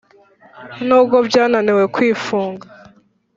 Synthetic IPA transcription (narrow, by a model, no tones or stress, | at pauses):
nuːbɡobjaːnanewe̞kwiːfuːŋɡa